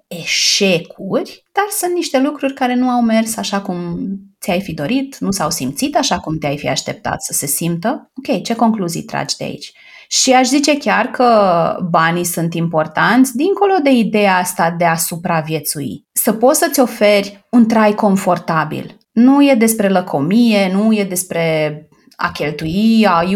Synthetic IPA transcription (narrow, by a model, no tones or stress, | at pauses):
e̞ʃe̞kʰurʲd̪̥arsunt̪niʃt̪e̞lukɾurʲkaɾe̞nuawme̞rsaʃakumt̪siajfid̪o̞ɾit̪nusawsimt̪sit̪aʃakumt̪eajfia̰ʃt̪e̞p̚t̪a̰t̪ssə̥se̞simt̪əo̞kʲe̞jt͡ʃe̞ko̞ŋkluzḭjt̪ɾa̰d͡ʒd̪ea̰ḭt͡ʃʲ | ʃiaʃzit͡ʃe̞kʲarkʰəbanisunt̪impo̞rt̪ant̪sʲd̪iŋko̞lo̞d̪e̞id̪e̞jaast̪ad̪e̞asupɾavje̞t̪suḭsəpo̞t̪sət̪sʲo̞fe̞rʲunt̪ɾajko̞ɱfo̞rt̪abḭl | nuje̞d̪e̞spɾe̞ləkʰo̞mije̞nuje̞d̪e̞spɾe̞ | a̰kʲe̞lt̪uia